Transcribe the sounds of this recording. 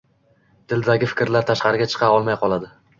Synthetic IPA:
d̪̥ʰɪld̪aɡʲɪfɪ̥kʲɾlaɾt̪ʰaʃqɑɾɪɡʲat͡ʃʰɨ̥qʰɑɒlˠmajqʰɒlˠad̪ɪ

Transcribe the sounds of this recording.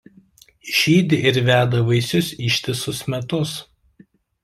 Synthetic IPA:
ʃʲiːd̪ʲɪʔɪɾʋʲæːd̪ɐʋɐɪsʲʊsʲiːʃʲt̪ʲɪsʊsmʲɛt̪ʊs

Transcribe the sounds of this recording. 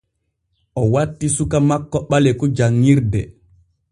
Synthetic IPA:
ʔɔwatːisukamakːɔɓalɛkɔd͡ʒaŋːiɾdɛ

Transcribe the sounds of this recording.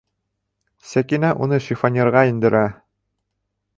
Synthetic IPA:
sækinæʔunɤʃifonʲeɾʁɑind̪ɘ̆ɾʔæ

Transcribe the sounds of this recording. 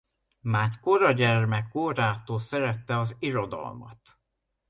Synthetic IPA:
maːrkoɾɒɟɛrmɛkːoːɾaːt̪oːsɛɾɛt̪ːɛɒziɾo̞d̪ɒ̰lmɒ̰t̪

